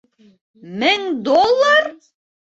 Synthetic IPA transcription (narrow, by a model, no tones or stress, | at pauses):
mɘŋd̪olˠːaɾ